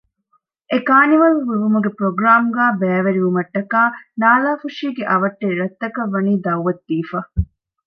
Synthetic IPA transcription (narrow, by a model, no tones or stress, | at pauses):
ʔekaːniʋɐluʋiʋumuɡepɾoɡɾaːmuɡaːbɛːʋɐɾiʋumɐʈːɐkaːnaːlaːfuʂiːɡeʔɐʋɐʈːeɾɾɐt̪ːɐkɐʋːɐniːd̪ɐwʋɐt̪ːiːfa